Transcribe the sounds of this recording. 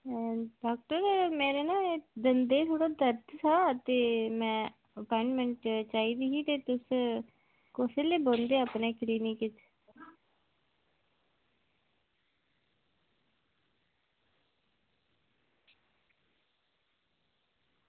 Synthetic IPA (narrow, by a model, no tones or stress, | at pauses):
ɖaːk̚ʈəɾmeːɾeːnãːd̪ənd̪eːt̪ʰoːɽaːd̪əɾt̪saːt̪eːmɛ̃ː | əpɔːɪɳɖmɛ̃ɳʈt͡ʃaːiːd̪iːɦiːt̪eːt̪ʊs | koseːleːbõːnd̪eːapneːkliːnĩkɪt͡ʃ